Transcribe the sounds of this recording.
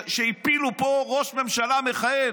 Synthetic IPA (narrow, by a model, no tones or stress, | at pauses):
ʃeipilupoʁoʃme̞mʃalameχaje